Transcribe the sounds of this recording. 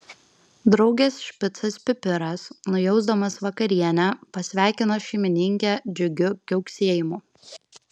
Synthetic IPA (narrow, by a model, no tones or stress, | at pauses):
d̪ɾɒʊɡʲeːsʃʲpʲɪt̪sɐspʲɪpʲɪɾɐsnʊjɛʊzd̪ɐmɐsʋɐkɐɾʲiɛnʲæpɐsʲʋʲæˑɪkʲɪnoʃʲɛɪmʲɪnʲɪŋʲkʲæd͡ʒʲʊɡʲʊkʲɛʊksʲiɛjɪmʊ